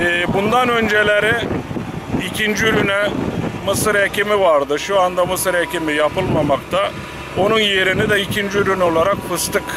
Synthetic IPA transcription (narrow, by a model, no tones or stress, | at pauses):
ɛːbund̪anø̞nd͡ʒe̞lʲeɾɛ | icʰind͡ʒiylynɛmɯsɯɾecimivaɾd̪ɯʃuand̪amɯsɯɾecimijapɯlˠmamakt̪ʰa | o̞nunje̞ɾinid̪ɛicʰind͡ʒiyɾyno̞lˠaɾakfɯst̪ɯk